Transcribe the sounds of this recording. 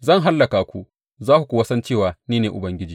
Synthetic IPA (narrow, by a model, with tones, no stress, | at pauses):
zɐ˦˨ŋɦa˦lːɐ˨kaː˨kʷu˦˨ʔ | zaː˦ku˨kʷu˨wɐ˦sɐ˦nt͡ʃeː˦˨waː˨niː˦neː˨ʔʊ˨bɐ˦ŋɡʲɪ˦d͡ʒiː˨